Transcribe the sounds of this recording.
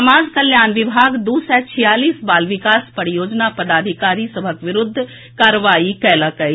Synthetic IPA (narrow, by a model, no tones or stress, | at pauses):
ɐmaːd͡ʒkəljaːnʋɪbʱaːɡd̪oːsɛt͡ʃʰɪjaːliːsbaːlʋɪkaːspəɽjoːd͡ʒnapɐd̪aːd̪ʱɪkaːɾisɐbʱəkʋɪɾʊd̪ʱː | kaːɾəʋaːikɛːlakəi